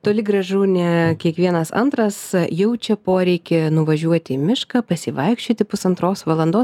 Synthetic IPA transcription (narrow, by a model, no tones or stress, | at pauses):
t̪oːlʲɪɡɾɐʒuːnʲɛkʲiɛkʋʲiɛnɐsɐ̰nt̪ɾɐsjɛʊt͡ʃʲɛpoːɾʲɛɪkʲɪnʊʋɐʒʲuɔt̪ʲɪmʲɪʃkɑːpɐsʲɪʋɐɪkʃʲt͡ʃʲoːt̪ʲɪpʊsɐnt̪ɾoːsʋɐlˠɐnd̪oːs